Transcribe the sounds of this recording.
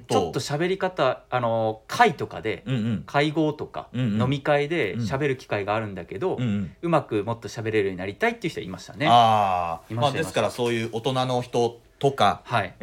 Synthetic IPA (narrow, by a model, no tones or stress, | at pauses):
t͡ɕo̞t̪ːoɕabe̞ɾʲikat̪aano̞kʰait̪o̞ka̰d̪e̞̰kʰaiɡo̞ːt̪o̞kã̰no̞mʲikaid̪e̞ɕabe̞ɾɯ̟kʲi̥kaiɡaːɾɯ̟̃nd̪ake̞d̪o̞ɯ̟makɯ̟mo̞t̪ːo̞ɕabe̞ɾe̞ɾɯ̟ɲ̟inaɾʲit̪ait̪ːeiɯ̟ç̥it̪oaiːmaɕi̥t̪ane̞aiːmamad̪iesɨkaɾaso̞ːjɯ̟ːʔot̪o̞nano̞çi̥t̪o̞ | t̪o̞kahai